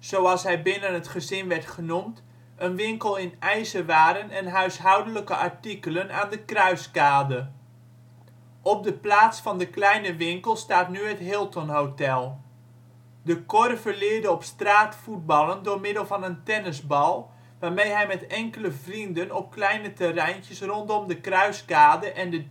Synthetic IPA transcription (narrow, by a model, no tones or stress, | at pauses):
z̥owɑlˠsɦɛjbɪnənɦətχəzɪnʋɛɹtχənumt | ʔənʋɪŋkəlˠɪnɛjzəʋaːɾənɛnɦœɥsɦɑwdələkəʔɑɹtikələnaːndəkrœɥskaːdə | ɔp̚dəplaːtsfɑndəklɛjnəʋɪŋkəlˠstaːtnyɦətɦɪlˠtɔnɦowtɛlˠ | dəkɔrəvəɹlɪːɹdəɔpstraːtfud̚bɑlˠəndʊːɹmɪdəlˠvɑnəntɛnəzbɑlˠ | ʋaːɹmejɦɛjmɛtɛŋkələvrindənɔp̚klɛjnətərɛjntjəsrɔntɔmdəkrœɥskaːdəʔɛndə